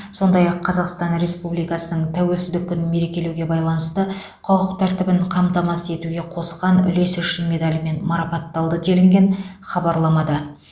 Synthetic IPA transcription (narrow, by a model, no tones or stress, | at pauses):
so̞nd̪ɑjɑqʰːɑzɑqst̪ɑnɾe̞spublijkɑsənəɴt̪ʰæwe̞lsɪzd̪ɪkʲʰːʏnɪnme̞ɾe̞kʲe̞lewɡʲe̞bɑjlˠɑnəst̪ə | qʰʊqəqt̪ʰæɾt̪ɪbɪɴqʰɑmt̪ɑmɑse̞t̪uɡʲe̞qʰo̞sqɑnʏ̰le̞sʏʃɪnme̞d̪ɑlʲɪme̞nmɑɾɑpɑt̪ːɑlˠd̪ət̪ʰelɪŋɡʲe̞nχɑbɑɾlˠɑmɑd̪ɑ